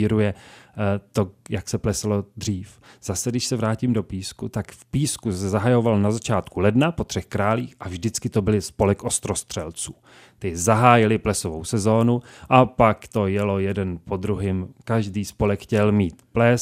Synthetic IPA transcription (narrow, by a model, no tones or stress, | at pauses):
iɾujɛ | t̪ojaksɛplɛsalo̞d̪r̝iːfz̥asɛdɪʃsɛvɾaːcimdo̞piːskut̪akfpiːskusɛzaɦajo̞valnazat͡ʃaːt̪kulɛdnapo̞t̪r̝̥ɛxkɾaːliːxʔavʒdɪt͡skɪt̪o̞bɪlɪspo̞lɛkʔo̞st̪ɾo̞st̪r̥ɛlt͡suː | t̪ɪzaɦaːjɪlɪplɛsovowsɛzo̞ːnuʔapakt̪o̞jɛlo̞jɛdɛnpod̪ɾuɦɪmkaʒdiːspo̞lɛkxcɛlmiːt̪plɛ